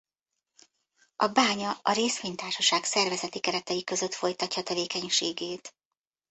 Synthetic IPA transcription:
ʔɒbaːɲɒɒɾeːsʋeːɲt̪aːrʃɒʃaːksɛrvɛzɛt̪ikɛɾɛt̪ɛjikø̞zøt̪fo̞jt̪ɒcːɒt̪ɛveːkɛɲʃeːɡeːt̪

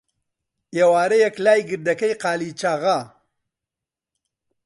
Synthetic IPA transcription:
eːwaːɾɐjɐklaːjɡɨɾd̪ɐkɐjqaːlit͡ʃaɣɐ

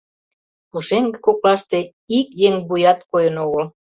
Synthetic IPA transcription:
puʃeŋɡĕkoklɑʃt̪e | ikjeŋbujɑt̪kojənoɣəl

